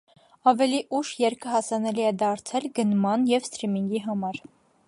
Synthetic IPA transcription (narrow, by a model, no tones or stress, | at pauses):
ɑvɛliʔuʃjɛɾkʰəɦɑsɑnɛliɛd̪ɑɾt͡sʰɛlɡənmɑnjɛvst̪ɾimiŋɡiɦɑmɑɾ